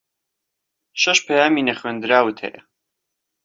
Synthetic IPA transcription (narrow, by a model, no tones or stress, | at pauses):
ʃɐʃpʰɐjaːmiːnɐχɥeːnd̪ɨɾaːwɨt̪ʰhḛjɐ̰